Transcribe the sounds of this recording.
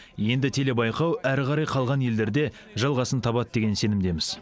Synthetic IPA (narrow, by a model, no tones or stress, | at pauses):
je̞nd̪ɪt̪ʰe̞le̞bɑjqɑwæɾqʰɑɾɑjqʰɑlˠʁɑnje̞ld̪e̞ɾd̪e̞ | ʒɑlˠʁɑsənt̪ʰɑbɑd̪əd̪e̞ɡʲe̞nse̞nɪmd̪e̞mɪz̥